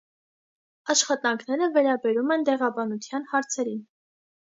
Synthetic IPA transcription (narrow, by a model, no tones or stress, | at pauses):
ɑʃχɑt̪ɑŋkʰnɛɾəvɛɾɑbɛɾumɛnt̪ɛʁɑbɑnut͡s̪ʰjɑnhɑɾt͡sʰɛɾin